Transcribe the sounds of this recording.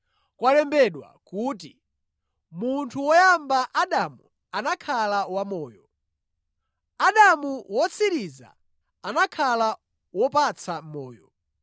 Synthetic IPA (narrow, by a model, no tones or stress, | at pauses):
kwalɛmbɛɗwa̰kuːt̬i | muntʰuwɔjambaʔaɗamṵ | anakʰalawamɔːjɔ | aɗamuwɔt͡sʰiɾiza̰ | anakʰala | wɔpat͡sʰamɔːjɔ